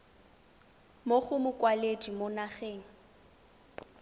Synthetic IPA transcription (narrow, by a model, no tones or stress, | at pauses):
moχʊmʊkʼwaledimonaχeːŋ̩